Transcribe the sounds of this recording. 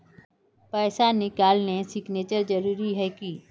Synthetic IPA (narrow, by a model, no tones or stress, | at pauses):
pɛːsanɪkaːlnesɪkneːt͡ʃəɾd͡ʒəɾuːɾiɦɛːkiː